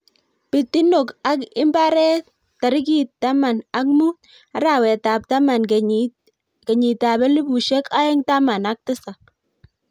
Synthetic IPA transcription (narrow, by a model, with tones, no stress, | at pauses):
pɪ˨ti˦no˨ka˦kɪ˦mba˦ɾɛ˦ | ta˨ɾɪ˦ki˦ttːa˦ma˨na˦kmu˦ | a˦ɾa˨wɛ˨ta˨p̚ta˦ma˨n | kɛ˨ɲi˨ta˨bɛ˦li˦bu˨ʃɛ˦ka˦ɪ˦ŋta˦ma˨na˦k̚tɪ˦sa˨